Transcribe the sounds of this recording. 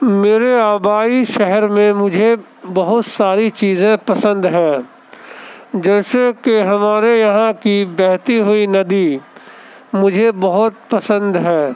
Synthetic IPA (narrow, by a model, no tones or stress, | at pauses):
meːɾeaːbaːiʃɛɦɛɾmẽmʊd͡ʒʱe | bɐɦʊt̪saːɾit͡ʃiːzẽpɐsə̃nd̪ɦɛ̃ː | d͡ʒɛːsekeɦɐmaːɾejɐɦãkibɛɦt̪iɦʊinɐd̪i | mʊd͡ʒʱebɐɦʊt̪̚pɐsə̃nd̪ɦɛː